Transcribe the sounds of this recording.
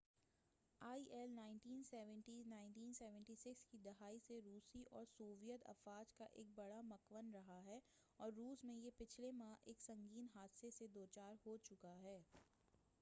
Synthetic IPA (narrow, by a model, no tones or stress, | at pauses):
aːiʔɛlnaːɪ̃nʈiːnsɛːʋə̃ɳʈinaːɪ̃ɳʈiːnsɛːʋə̃ɳʈisɪkskid̪ɐɦaːiseɾuːsiʔɔ̰ːɾsuːʋijət̪ɐ̰faːd͡ʒkaʔḛːk̚bɐɽamɐkʋənɾɐɦaɦɛː | ɔːɾːuːsmẽjepɪt͡ʃʰlemãʔeːksɐ̃ŋɡiːnɦaːd̪sesed̪oːt͡ʃaːɾɦoːt͡ʃʊkaɦɛː